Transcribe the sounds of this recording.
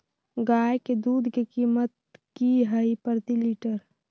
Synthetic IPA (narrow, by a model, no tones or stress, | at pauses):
ɡaːeked̪uːd̪ʱkekiːmət̪̚kiɦəipəɾt̪iliːʈəɾ